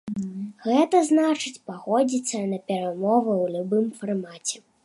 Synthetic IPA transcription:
ɣɛt̪ɐznat͡ʂɨt͡sʲpaɣɔd͡zʲit̪sːɐnɐpʲɛɾamɔvɨwlʲubɨmfarmat͡sʲɛ

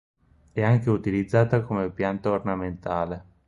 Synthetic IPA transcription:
ɛaŋk̟eut̪ilid̪zːaːt̪akomepjant̪aornament̪aːle

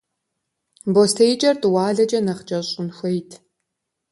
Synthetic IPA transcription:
bostʰejt͡ʃʼɐrtʼɨwaːɮɐd͡ʒʼɐnɐχt͡ʃʼɐɕʼɪnxʷejtʰ

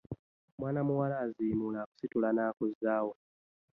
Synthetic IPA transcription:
mwaːnamuwalaːzimulaku̥situlanaːkuzaːwo

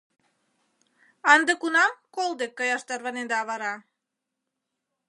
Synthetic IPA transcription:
ɑnd̪əkunɑmkolˠd̪ekːɑjɑʃt̪ɑrβɑnend̪ɑːβɑɾɑ

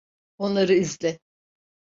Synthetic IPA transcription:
o̞nlˠaɾɯizlʲɛ

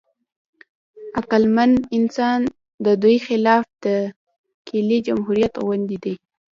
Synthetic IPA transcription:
aqalmanɪnsɑn | d̪əd̪ujxɪlɑfd̪̥ə | kʰilid͡ʒamɦuɾijat̪wand̪id̪aj

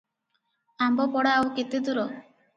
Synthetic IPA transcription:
ambɔpɔɽaawket̪ed̪uɾɔ

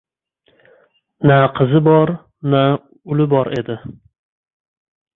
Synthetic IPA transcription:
naqʰɨzɪbɒɾ | na | ʊlɪbɒɾe̞d̪ɪ

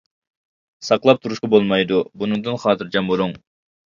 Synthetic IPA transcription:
sɑqlˠɑp̚t̪ʰuɾuʃqɑbolˠmɑjd̪ubunuŋd̪ɨnχɑːt̪ʰɨɾd͡ʒɑmoɾuŋ

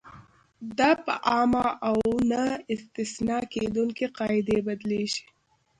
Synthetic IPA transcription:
d̪ɑpəʔɑmaʔawnaɪst̪ɪsnɑked̪uŋkiqɑɪd̪ebad̪leʃi̥

